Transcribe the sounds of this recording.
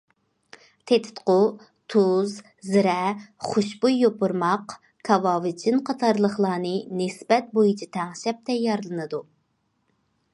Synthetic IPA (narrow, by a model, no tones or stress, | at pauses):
t̪ʰet̪ʰɪ̥t̪qʊ | t̪ʰuz | zɪɾɛχoʃbujːopuɾmɑq | kʰɑvɑːvɨt͡ʃʰɪnqʰɑt̪ʰɑɾlˠəχlˠɑːnɨnɪsbɛt̪̚bojit͡ʃʰit̪ʰɛŋʃɛp̚t̪ʰɛjːɑɾlˠɨnɨd̪u